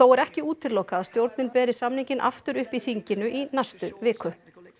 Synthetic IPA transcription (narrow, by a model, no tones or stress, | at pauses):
θowɛɾɛhcɪuːt̪ʰɪlːoːwkaaðst̪jowɾt̪nɪnpɛːɾɪsamniɲcɪnʔa̰ft̪ʏɾʏhpiθiɲcɪnʏʔinajst̪ʏvɪːkʰʏ